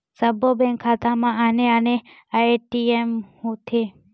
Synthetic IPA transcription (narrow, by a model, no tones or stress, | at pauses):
səbʱobɛ̃ŋkʰːat̪amãaneəne | aʈiemhũt̪ʰe